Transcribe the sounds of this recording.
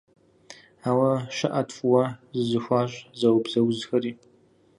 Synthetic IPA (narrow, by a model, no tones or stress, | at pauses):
aːwɐʃɐʔɐtʰʼfʼwɐzɨzɨxʷaːɕʼzɐwbzɐwzxɐɾiː